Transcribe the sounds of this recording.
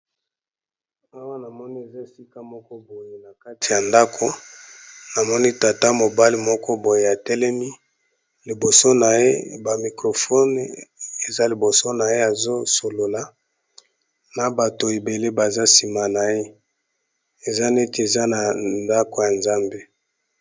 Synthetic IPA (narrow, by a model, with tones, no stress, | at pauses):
a˦wa˦na˨mɔ˦ni˦e˨za˦si˦ka˦mɔ˦kɔ˦bo˨je˨na˨ka˦tʰi˨ja˨nda˦kʰo˨ | na˨mɔ˦ni˦ta˨ta˦mo˨ba˦li˦mɔ˦kɔ˦bo˨je˨a˨tɛ˦lɛ˦mi˦ | li˨bo˨so˦na˨jḛ˦ba˨mi˨kʁo˨fɔ˦n˨e˨za˦li˨bo˨so˦na˨je˦a˨zo˦so˨lo˨la˨ | na˨ba˨to˨e˨be˨le˦ba˨za˦si˨ma˨na˨je˦ | e˨za˦ne˦ti˨e˨za˦na˨nda˦ko˨ja˨nza˦mbe˦